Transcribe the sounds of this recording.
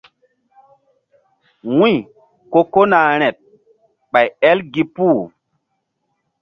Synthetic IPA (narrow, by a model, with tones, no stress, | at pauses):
wũ˦j | ko˦ko˦na˨ɾ̃ɛ˨t̚ | ɓa˨jɛ˦lɡi˦pu˦˨